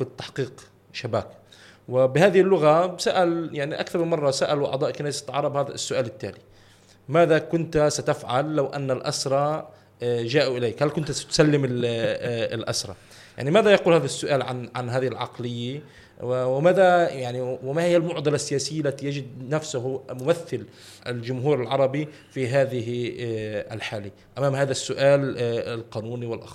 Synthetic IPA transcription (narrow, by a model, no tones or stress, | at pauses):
fit̪ːaħqiːq | ʃaba̰ːk | wɪbɪhaːðɪhɪlːʊɣabsaːʔaljaʕniʔa̰kθɑɾˤmɪnmɑrˤːɑsaːʔaluʔɑ̰d̪ˤɑːʔkːanaːjst̪ːʕɑ̰ɾˤɑbhaːða̰sːʊʔaːlɪt̪ːa̰ːli | maːðakʊnt̪sat̪afʕalːawʔa̰nːalʔasɾˤɑ | ʒaːʔuʔɪleːkhalkʊnt̪sḁt̪salːɪmɪl | ɪlʔa̰sɾˤɑ̰ | ja̰ʕnimaːðajɑquːlhaːðasːʊʔaːlʕanʕanɦaːðɪhɪlʕɑ̰qlɪjːa | wɪmaːðajaʕniwɪmahɪjːalmʊʕd̪ɑlasːɪjaːsɪjːalːat̪ijad͡ʒɪd̪̚nafsʊhmʊmaθːɪl | ɪld͡ʒʊmɦuːɾɪlʕɑɾˤɑbi | fiɦaːðɪɦ | a̰lħaːli | ʔamaːmhaːðasːʊʔaːlɪlqɑːnuːniwɪlʔɑ̰x